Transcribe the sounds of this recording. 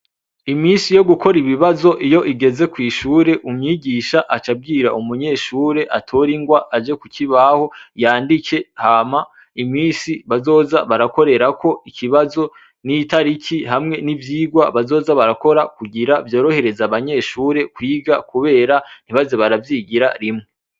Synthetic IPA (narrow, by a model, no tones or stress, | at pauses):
imiːnsijo̞ɡukʰo̞ɾiβiβazo̞ʔijo̞ʔiɡe̞ze̞kwiːʃuːɾe̞ʔumɲiːɟiːʃaʔat͡ʃab̚ɡiːɾa̰ʔumuɲe̞ːʃuːɾe̞ʔatʰoɾiŋɡwaʔad͡ʒe̞kuciβaho̞jaːndike̞haːma | imiːsiβazo̞ːzaβaɾako̞ɾe̞ɾakʰo̞ikʰiβazo̞ | nitaɾikʰihamŋe̞nivjiːɡwa̰βazo̞ːzaβaɾako̞ɾakuɡiɾavjo̞ːɾo̞he̞ɾe̞zaβaɲe̞ːʃuːɾe̞kwiːɡakuβe̞ːɾan̥iβazeβaɾavjiːɡiɾa̰ɾimŋe